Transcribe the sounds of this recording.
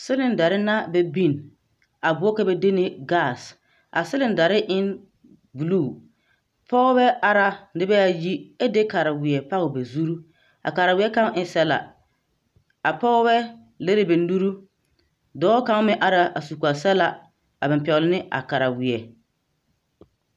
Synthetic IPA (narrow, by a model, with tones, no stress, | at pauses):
sɪ˦lɪ˨n˨da˨ɾɪ˦na˦bɛ˨bi˦˨n | a˨bʊ˨˦ɔ˦kɛ˦bɛ˦de˦nɪ˦ɡa˦˨s | a̰˨sɪ˦lɪ˦nda˨ɾɪ˦ʔɪ˦n | bu˨luː˦˨ | pʰɔ˦bɛ˦a˦ɾa˨nɪ˦bɛ˦a˨ji˦ɛ˦de˦ka˨ɾa˨wɪ˨ɛ˨pa˦ɣɪ˨bɛ˨zu˦ɾu˦ | a̰˨ka˨ɾa˨wɪ˨˦ɛ˦ka˦ŋ˦ɪ˦sɛ˦la̰˨ | a˨pɔ˦bɛ˦ | le˦ɾɪ˦bɪ˨n˦du˦ɾu˦ | dɔː˨˦ka˦ŋ˦mɪ˦ʔa˦ɾa˨a˨su˨ku˨a˨sɛ˦la˨ | a˨bɪ˨mpɛ˨ʊ˨lɪ˦nɪ˦a̰˨ka˨ɾa˨wɪ˨ɛ˨